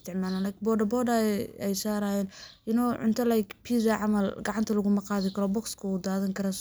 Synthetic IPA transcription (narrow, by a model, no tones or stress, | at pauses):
st̪ʰɪʕmaːlanlɐjkbɔɖɐbɔɖɐɛjsaːɾaːjɛːnʔɪnɔːʕʊ̰nt̪ʰɐlajkpʰiːzɐʕɑmɐlɡɑʕɑnt̪ʰɐlɐɣʊmɐqɑːðɪkʰɐɾɔːbɔkskʰɐuːd̪aːðɐŋkʰɐɾɐ